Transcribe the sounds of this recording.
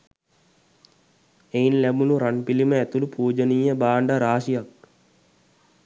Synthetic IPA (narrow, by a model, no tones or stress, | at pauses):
einlæbuluɾanpiliməæt̪ulupuːd͡ʒənijəbaːɳɖaɾaːʃijak̚